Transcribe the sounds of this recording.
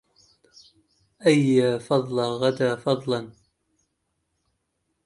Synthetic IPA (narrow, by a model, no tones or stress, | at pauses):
ʔajːaːfɑðˤlɑɣad̪aːfɑðˤlɑn